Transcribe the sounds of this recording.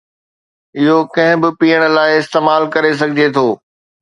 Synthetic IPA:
ɪɦokɐ̃ɦɪ̃bɪpiːəɽ̃̆laːɪɪst̪eːmaːlkɐɾes̬ɐɡʱɪd͡ʑet̪ʰoː

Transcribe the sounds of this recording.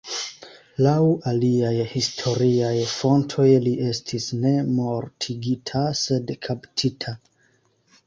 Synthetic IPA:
lawaliajhistʰo̞ɾiajfo̞ntʰo̞jliʔe̞stʰisne̞mo̞ɾtʰiɡitʰase̞dkʰaptʰitʰa

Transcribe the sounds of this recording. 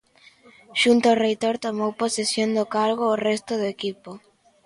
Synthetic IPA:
ʃunt̪oorejt̪oɾt̪omowposesjond̪ʊkaɾɣoːrɛst̪ʊðʊekipo

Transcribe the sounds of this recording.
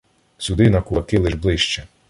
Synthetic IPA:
sʲud̪ɪnɐkuɐkɪlɪʒblˠɪʃt͡ʃɛ

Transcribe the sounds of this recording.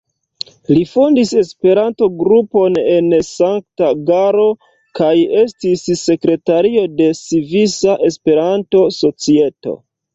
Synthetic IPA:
lifondise̞spe̞ɾanto̞ɡɾupo̞ne̞nsaŋk̚taɡaɾo̞ | kaje̞stisːe̞kɾe̞taɾio̞de̞sivisaʔe̞spe̞ɾanto̞so̞t͡sie̞to̞̰

